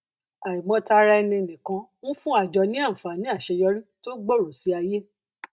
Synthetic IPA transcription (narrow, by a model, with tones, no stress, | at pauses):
a˨i˨mɔ̃˨˦ta˧ɾa˧ɛ˧nĩ˧˨nĩ˨kã˧˦ñ̩˦fũ˦a˦˨d͡ʒɔ˧nĩ˦ã˦˨fa˨nĩ˨˦a˦˨ʃɛ˧jɔ˧˦ɾi˦to˦ɡ͡bo˦˨ɾo˨si˨˦a˧je˦